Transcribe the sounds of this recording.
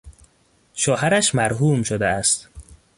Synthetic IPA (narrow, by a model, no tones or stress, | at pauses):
ʃɒːɦæɾæʃmæɾɦuːmʃod̪eæst̪